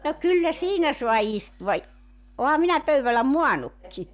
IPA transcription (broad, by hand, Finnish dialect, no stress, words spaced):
no kylːæ siːnæ suɑ istuʋɑ i ohɑ minæ pøyʋælˑæ muɑnukːi